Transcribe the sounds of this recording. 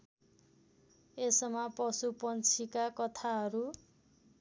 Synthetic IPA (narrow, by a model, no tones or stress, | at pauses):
esʌmapʌsupʌnt͡sʰikakʌt̪ʰaɦʌɾu